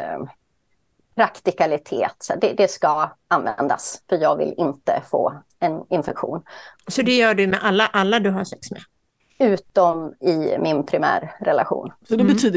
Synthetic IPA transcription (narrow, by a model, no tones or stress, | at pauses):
pʰɾakt̪ɪkalɪt̪ʰeːt̪sɛɖɛd̪ɛskaanvɛ̰nd̪a̰sfœɾjɑːɡvɪ̰lɪnt̪ə̰fo̰ː | ɛnɪnfɛkɧṵːnsɔd̪ɛjœːɖɵmɛʔalːaʔalːad̪ɵɦaʂɛksmɛ | ʉ̟ːt̪ɔmɪmɪnpʰɾɪmæ̰ːɾːɛla̰ɧṵːnsɔd̪ɛbɛt̪ʰyːd̪